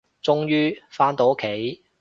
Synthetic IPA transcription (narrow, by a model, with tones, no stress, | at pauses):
t͡sʊ˥ŋjyː˥faː˥nt̪o˨˥wkʰe˨˥j